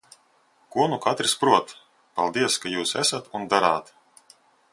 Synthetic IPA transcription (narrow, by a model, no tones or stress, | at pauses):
kuɔnukat̪ɾispɾuɔt̪ | palˠd̪iɛskajuːsæ̰sat̪und̪aɾaːt̪